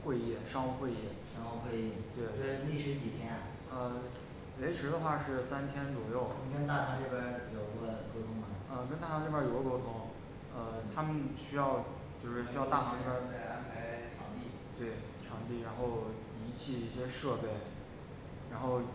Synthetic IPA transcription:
xwe˥˧ɪɛ˥˩ʂɑ˥ŋxu˥˧xwe˥˧ɪɛ˥˩ʂɑ˥ŋxo˥˧xwe˥˧ɪi˥˩t̪we˥˩ɪe˥˩li˥˩ʂɻ̩˧˥t͡ɕi˨˩t̪ʰjɛ˥na˩ | ə˧ | we˧˥ɪʈ͡ʂʰɻ̩˧˥d̪ə˧xwa˥˧ʂɻ̩˥˩sa˥nt̪ʰjɛ˥nt͡swɔ˨˩jo˥˩ʊ˧kə˥nt̪a˥˩a˧˥ʈ͡ʂe˥˩bə˥˩jo˨˩ʊi˧˥ɡə˥˧ko˥ʊt̪ʰʊ˧˥ŋma˨˩ə˧kə˥nt̪a˥˩ɑ˧˥ʈ͡ʂɻbjə˥jo˨˩ʊɡko˥ʊt̪ʰʊ˧˥ŋ | ə˧t̪ʰa˥mə˨nɕy˥jɑ˥˧ʊ | t͡ɕjo˥˧ʊʂɻ̩˥˩ɕy˥jɑ˥˧ʊt̪a˥˩xɑ˧˥ŋʈ͡ʂa˥e˥˧a˥npʰa˧˥ɪʈ͡ʂʰjɑ˧˥ŋt̪i˥˩ | t̪we˥˩ɪ | ʈ͡ʂʰjɑ˧˥ŋt̪i˥˩ɻa˧˥nxo˥˩ʊ | i˧˥t͡ɕʰi˥˧i˥˩ɕjɛ˥ʂɤ˥˧pe˥˩ɪ | ɻa˧˥nxo˥˩ʊ

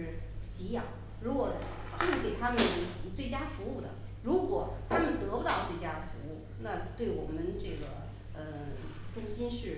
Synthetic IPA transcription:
t͡ɕi˧˥jɑ̰˨˩˦ŋ | ɻu˧˥kwɔ˨˩˦ | ʈ͡ʂɤ˥˧ʂɻ̩˥˩ke˨˩ɪt̪ʰa˥mə˨nt͡swe˥˩ɪt͡ɕja˥fu˧˥u˥˩d̪ə̰˩ɻu˧˥kwɔ˨˩˦t̪ʰa˥mə˨nt̪ɤ˧˥pʊ˧t̪ɑ˥˧ʊt͡swe˥˩ɪt͡ɕja˥d̪ə˨fu˧˥u˥˩ | na˥˧t̪we˥˩ɪwɔ˨˩mə˦nʈ͡ʂɤ˥˩ɡə̰˩ | ə˧ | ʈ͡ʂʊ˥ŋɕi˥nʂɻ̩˥˩

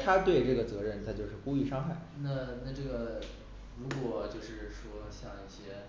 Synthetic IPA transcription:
t̪ʰa˥t̪we˥˧ɪʈ͡ʂɤ˥˩ɡə˩t͡sɤ˧˥ɻə˥˩nt̪ʰa˥˧t͡ɕjʊʂɻ̩˥˩ku˥i˥˩ʂɑ˥ŋxa˥˩ɪna˥˧na˥˧ʈ͡ʂɤ˥˩ɡə˩ | ɻu˧˥kwɔ˨˩t͡ɕjo˥˧ʊʂɻ̩˥˩ʂwɔ˥ɕjɑ˥˧ŋi˥˩ɕjɛ˥

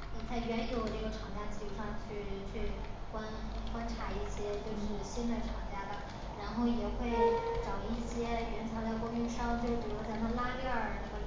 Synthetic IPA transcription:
ə˥˧t͡sa˥˩ɪɥɛ˧˥njo˨˧˥ʊʈ͡ʂɤ˥˩ɡə˩ʈ͡ʂʰɑ˨˩ŋt͡ɕja˥t͡ɕʰi˥˩˥ʂɑ˥˧ŋt͡ɕʰy˥˩lɛ˧˥nt͡ɕʰy˥˩kwa˥nkwa˥nʈ͡ʂʰa˧˥i˥˩ɕjɛ˥t͡ɕjo˥˧ʊʂɻ̩˥˩ɕi˥nd̪ə˨ʈ͡ʂʰɑ˨˩ŋt͡ɕja˥˩d̪ə˩ | ɻa˧˥nxo˥˩ʊjɛ˨˩xwe˥˩ɪʈ͡ʂɑ˨˩ʊi˥˩ɕjɛ˥ɥɛ˧˥nt͡ɕʰjɑ˧˥t͡sa˥˩ɪkʊ˥ŋy˥nʂɑ˥ŋt͡ɕjo˥˧ʊt̪u˧˥ɔ˥˧˥t͡sa˥˧˩ɪt̪ʰa˥˧la˥lɛ˥˩ə˞˨˩ə˧˩

